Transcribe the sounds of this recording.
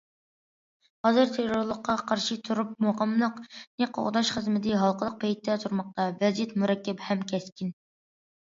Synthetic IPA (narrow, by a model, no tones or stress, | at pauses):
hɑzɨɾt̪ʰeɾoɾlˠəqːɑqʰɑɾʃɨt̪ʰuɾup̚moʁəmlˠəqneqʰːo̰ʁd̪ɑʃχəzmɪd̪ɪɦɑlˠqʰəlˠəq̚pʰɛjt̪ʰːɛt̪ʰuɾmɑq̚t̪ɑvɛzjɛt̪muɾɛkʲːɛphɛmkʲʰɛskʲin